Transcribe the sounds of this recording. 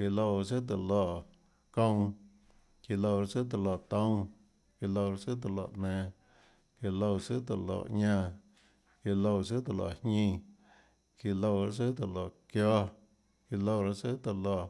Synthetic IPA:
ki˧lo˧wsɨ˦t̪̬ə˧˨lo˧˨ | kõ˧w̃ | ki˧˨lo˧wɾa˧sɨ˦t̪̬a˨lo˧˨t̪õ˦w | ki˧lo˧wɾa˦sɨ˦t̪̬ə˨lo̰˧˨ʔnɛ̃˧ | ki˧lo˧wsɨ˦t̪ə̰˨lo̰˧˨ʔɲã˧ | ki˧lo˧wsɨ˦t̪a˨lo̰˧˨hɲĩ˧ | ki˧lo˧wɾa˦˨s̬ɨ˦t̪ə˧lo˧˨kjɔ˦ | ki˧˨lo˧wɾa˧sɨ˦t̪ə˧˨lo˧˨

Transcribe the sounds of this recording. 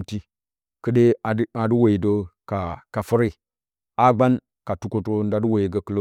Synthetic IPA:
ti˦ | kə˦ɗe˦a˨˦a˨du˦we˨i˨do˦ka˨ka˨fu˦ɾe˦ | a˦ɡ͡ba˦n | ka˨tu˦ko˦to˦nda˨du˦we˨i˨ɡa˨kə˦lo˦

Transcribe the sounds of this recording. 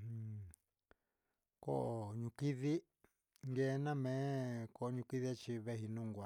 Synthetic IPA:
ko̰˦ʔo˧˨ɲũ˧ki˦ði˦ | ŋɡe˦˧˦nã˦mẽ˨˦ko˧ɲũ˧ki˦ði˦t͡ʃi˧βe˦ɦi˧nũ˦ŋɡʷa˧

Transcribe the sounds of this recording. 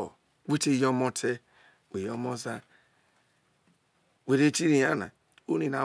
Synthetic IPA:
we˦te˦˨jo˦mo˦tʰe˦ | we˨jo˦mo˦za˦ | we˨ɾe˦t͡ʃi˦ɾi˨ja˦na̰˨ | o˦ni˨na˨

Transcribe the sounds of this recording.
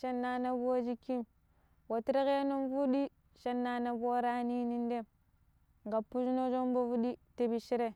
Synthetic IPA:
ʃa˦nːa˨na˦bu˦wo˦d͡ʒi˦kːi˦m | wo˨tɾe˦ɣe˦no˦mvu˦ɗi˦ | ʃa˦nːa˨˦na˦bo˦ɾa˦ni˦ni˦n˦de˦m | ŋɡa˨pːu˦d͡ʒno˦d͡ʒo˦mbo˦vu˦ɗi˦te˨bi˨ʃi˦ɾe˦

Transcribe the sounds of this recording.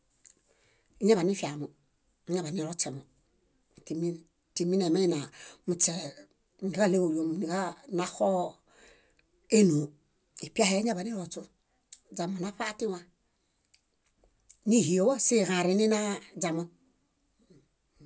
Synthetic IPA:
i˦ɲa˦βa˨ni˦fa˨mu˨˦ | ɲa˦ba˨ni˦ɾo˦t͡ʃe˨mo˨ | ti˨mi˦n˨ | ti˨mi˦ne˨ma˦i˦na˨mu˨t͡se˨ | n˨i˨ka˦le˦o˨jo˨m˨ni˨ka˦na˦xo˦ | e˦no˨ | i˨pi˦a˦he˦ɲa˦ba˨ni˦ɾo˨t͡ʃu˦ | d͡ʒa˨mo˨na˦ɸa˦ti˦wa˨ | ni˦˨hi˨o˨wa˦se˦˨ɣã˨ɾi˨ni˦na˦d͡ʒa˨ma˦

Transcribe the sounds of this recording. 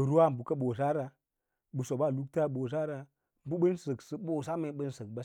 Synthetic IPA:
ə˨ɾu˦wa˦˨m̩˨bu˨ka˦ɓo˨s̬a˦ɾa˨ | ɓɨ˨so˨ɓa˦˨lu˦k̚ta˦ɓo˨s̬a˦ɾa˨ | m̩˨bu˦ɓə˦nsə˨ksə˨ɓo˨sa˦me˨˦ɓə˦nsə˨k̚ba˦

